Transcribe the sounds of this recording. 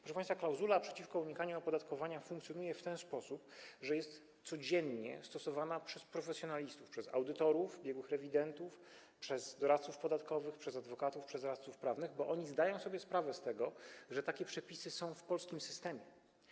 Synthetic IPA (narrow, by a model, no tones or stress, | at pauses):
pɾɔʂɛpãj̃st̪faklawzulapʂɛt͡ɕifkɔuɲikaɲuɔpɔd̪at̪kɔvaɲafuŋkt̪sjɔnujɛft̪ɛnspɔsupʐɛjɛst̪ | sɔd͡ʑɛɲɲɛ̰st̪ɔsɔvanapʂɛspɾɔfɛsʲjɔnalʲist̪ufpʂɛzawd̪ɘt̪ɔɾuvbʲjɛɡwɘxɾɛvʲid̪ɛnt̪uf | pʂɛzd̪ɔɾat̪t̪sufpɔd̪at̪kɔvɘxpʂɛzad̪vɔkat̪ufpʂɛzɾat̪sufpɾavnɘɣbɔʔɔɲizd̪ajɔ̃w̃sɔbʲjɛspɾavɛst̪ɛɡɔʐɛt̪akʲɛpʂɛpʲisɘsɔ̃w̃fpɔlskʲimsɘst̪ɛmʲjɛ